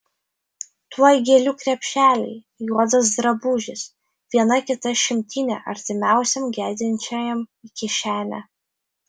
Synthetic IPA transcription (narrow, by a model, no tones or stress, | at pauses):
t̪uɔjɡʲeɛlʲuːkɾʲɛpʲʃʲæːlʲɛ̰ɪ | juɔd̪ɐsd̪ɾɐbuːʒʲɪs | ʋʲiɛnɐkʲɪt̪ɐʃʲɪmʲt̪ʲiːnʲɛ̰ʔɐɾʲt̪ʲɪmʲæˑʊsʲɛmɡʲæːd̪ʲɪnʲt͡ʃʲɛjɛmɪkʲɪʃʲæːmʲæ